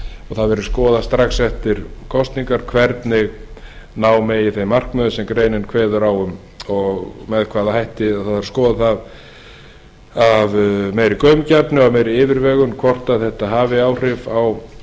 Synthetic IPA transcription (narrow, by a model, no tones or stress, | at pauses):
ɔɣθaðvɛɾʏ̥skɔːðast̪ɾaksɛft̪ɪɾ̥kʰɔst̪niŋkaɾ̥kʰvɛɾt̪nɪɣ | naːwmɛjɪθejmar̥kmœðʏsɛmkɾeːjnɪnkʰvɛːðʏɾawʏm | ɔɣmɛðkʰvaːðahajht̪ɪaðθaðvaɾskɔːðaθað | avmeːjɾɪkœɥmcapnʏavmejɾɪɪːvɪɾvɛːɣʏmkʰvɔr̥t̪aðθɛht̪aɦaːvɪaːwr̥ɪvaw